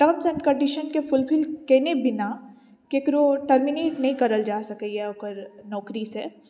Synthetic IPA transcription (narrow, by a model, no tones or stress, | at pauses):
ʈɐmsɛ̃ɳɖkɐ̃ɖiʃənkefʊlpʰɪlkɛɦnebɪna | kekɾoʈəɾmineːʈnɐɦĩkɐɾəld͡ʒaːsɐkiɦɛɐɡəɾnɔːkɾise